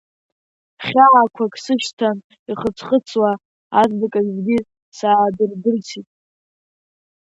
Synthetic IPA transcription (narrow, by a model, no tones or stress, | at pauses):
χʲaːkʷʰakʰʼsɨʃtʰan | iχət͡sʰχət͡sʰwaː | zbakʼazɡʲi | saːdɨrdɨrt͡sʰitʼ